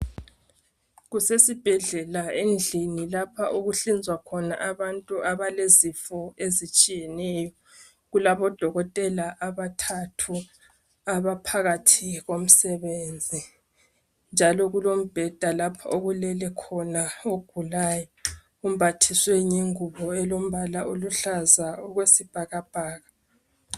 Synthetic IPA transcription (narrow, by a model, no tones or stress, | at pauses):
ɣusesib̥ʱɛɮɛlaend͡ɮʱinilapʰa̰ʔuɣuɬind͡zʱwakʰɔna̰ʔaβantʼuʔaβalezifɔezit͡ʃʼijɛnɛjɔ | ɣulaβɔd̥ʱɔɣɔtʼɛlaʔaβatʰatʰu | aβapʰaɣatʰiɣom̩sɛβeːnd͡zʱi | nd͡ʒʱalɔɣulom̩b̥ʱɛd̥ʱalapʰaoɣulɛlɛkʰɔnaoɡ̥ʱulaːjɔ | um̩bʱatʰisweɲeŋuβɔɛlom̩βalaʔoluɬazaoɣwesib̥ʱaɣab̥ʱaːɣa